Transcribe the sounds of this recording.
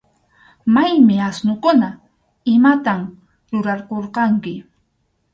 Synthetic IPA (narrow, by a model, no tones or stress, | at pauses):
majmɪasnokʊna | ɪmat̪am | ɾʊɾɑɾqoɾqɑŋkɪ